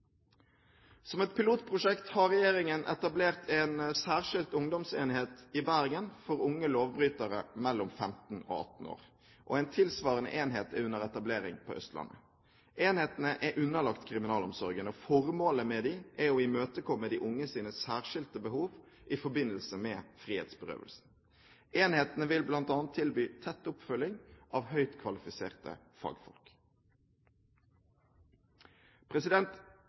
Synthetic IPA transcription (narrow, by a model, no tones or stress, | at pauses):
sɔmɛt̪̚pʰɪluːt̪̚pʰʁʊʂɛkt̪hɑʁɛjeːɾɪŋənʔɛ̰t̪ɑbleːʁt̪ʰɛnsæːʁʃɪlt̪ʊŋd̪ɔmsḛːnɦeːt̪ɪbæʁɡənfɔɾʊŋːəloːʋbɾyːt̪əɾə̰mɛlːɔmfɛmt̪n̩o̰ːɑ̰t̪n̩o̰ːʁ | ʔɔæɪnt̪ʰɪlsʋɑːʁənə̰ʔeːnɦeːt̪ɛʉnːəʁɛt̪ɑbleːɾɪ̰ŋpʰɔ̰ːœ̰st̪lɑ̰nːə̰ | ʔeːnheːt̪ənəʔɛʔʉnːəlɑkt̪kʰʁɪmɪnɑːlɔmsɔɾɡənɔfɔʁmoːləmɛd̪iʔɛoɪmøːt̪əkʰɔmːəd̪iːʔʊŋːəsiːnəsæːʁʃɪlt̪əbəhuːʋ | ʔɪfɔbɪnəlsəmɛːfʁiːhḛːt̪sbəʁø̰ːʋə̰lsn̩ | eːnheːt̪ənəʋɪlblɑnt̪ɑːnt̪ʰːɪlbyːt̪ʰɛt̪ːʊpfœlɪŋʔɑːʋhœʏt̪kʰʋɑlɪfɪseːʁt̪ə̰ | fɑ̰ːɡfɔ̰lk | pʰʁɛsɪd̪ɛnt̪